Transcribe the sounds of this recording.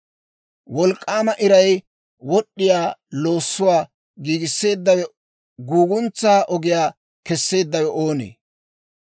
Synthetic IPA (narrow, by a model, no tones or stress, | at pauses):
wɔlkʼːaːmɐʔɪɾɐj | wɔɗːɪjaːlo̞ːsːʊwaː | ɡiːɡɪsːe̞ːd̪ːɐwɛ | ɡuːɡʊnt͡sːaːʔɔɡɪjaː | kɛsːe̞ːd̪ːɐwɛʔoːnḛː